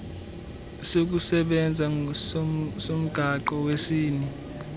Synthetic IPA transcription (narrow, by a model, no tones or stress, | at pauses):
sok̬usɛɓɛnd͡zʱassom̩ɡ̥ʱaǃɔwesiːni